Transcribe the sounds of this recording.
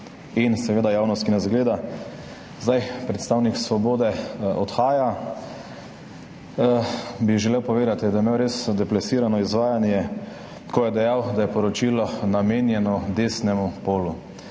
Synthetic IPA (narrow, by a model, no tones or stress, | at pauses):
insɛʋeːd̪ajaːwnɔst̪kinɛzɡleːd̪a | zd̪ajpɾɛt̪st̪aːwniksʋɔboːd̪ɛɔt̪xaːja | biʒɛlewpɔʋeːd̪at̪id̪ajɛmewɾeːsd̪ɛplɛsiːɾanɔizʋaːjanjɛ | kɔjɛd̪ɛjawd̪ajɛpɔɾɔt͡ʃiːlɔnameːnjɛnɔd̪eːsnɛmupoːlu